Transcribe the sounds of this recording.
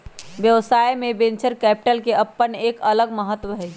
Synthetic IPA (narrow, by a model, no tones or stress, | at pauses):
ʋjəʋsaːjmẽbẽnt͡ʃəɾkɛːpɪ̥ʈəlkeɐpːəneːkələɡməɦət̪ːʋəɦɛ